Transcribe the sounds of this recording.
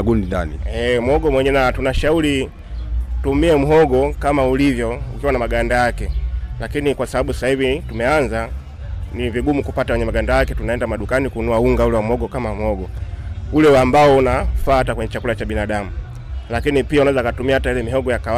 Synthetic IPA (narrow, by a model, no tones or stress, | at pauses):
ɡundinaniɛm̩ɔɡɔmwɛɲɛnatunaʃauli | tumiɛm̩ɦɔɡɔkamaulivjɔukiwanamaɡandajakɛlakinikwasaɓaɓusahivitumɛanza | niviɡumukupatawɛɲɛmaɡandajakɛtunaɛndamaɗukanikunuauŋɡaulɛwamɔɡɔkamam̩hɔɡɔulɛambaɔunafaːatakwɛɲɛt͡ʃakulat͡ʃaɓinaɗamu | lakinipiaunawɛzakatumiahatajilɛmiɦɔɡɔjaka